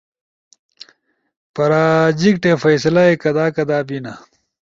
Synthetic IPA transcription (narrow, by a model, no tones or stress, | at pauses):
pɐɾaːd͡ʑikʈefɐjsɐlɐekɐd̪aːkɐd̪aːbinɐ